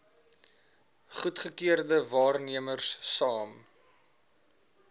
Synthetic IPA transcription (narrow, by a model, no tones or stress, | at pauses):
χutχəkiərdəvɑːrniəmərsːɑːm